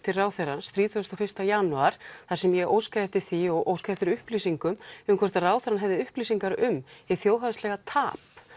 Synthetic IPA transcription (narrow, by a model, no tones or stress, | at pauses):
t̪ʰɪlraːwθeɾanst̪ɾiːt̪œst̪ɔfɪr̥st̪ajaːnuaɾ̥θḁsɛmjɛʔoːwskaɛft̪ɪ̥θiɔɣʔo̰ːwskaɛft̪ɪɾʏhplisiŋkʏmʏmkʰvɛɾ̥t̪araːwθɛɾanɦɛvðɪʏhplisiŋkaɾʏmɪθjoːwɦanst̪lɛɣat̪ʰaːp